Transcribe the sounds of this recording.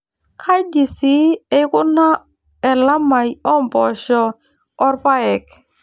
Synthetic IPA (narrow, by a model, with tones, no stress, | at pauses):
kʰa˦jdi˨si˦ɛ˦ku˦na˦ | ɛ˨la˦ma˨jɔ˦m˨pɔ˨ʃɔ˨ | ɔ˦ɾpa˦ɛ˨k